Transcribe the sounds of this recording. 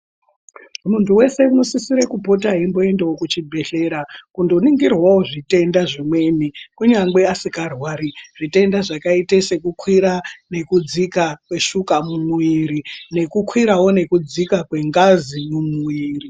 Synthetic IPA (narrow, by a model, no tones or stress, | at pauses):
muntuwe̞se̞uno̞sisiɾekupo̞t̬aɦimbo̞e̞ndewokut͡ʃibʱe̞ɬe̞ːɾakundo̞niŋɡirwawoʐite̞ndaʐimwe̞ːn̤ikuɲaŋɡweasikarwaːɾiʐ̥ite̞ndaʐakaitese̞kukʰwiɾane̞kud͡zikakwe̞ʃukamumuiɾine̞kukwiɾawo̞ne̞kud͡zikakwe̞ŋɡazimumuiːri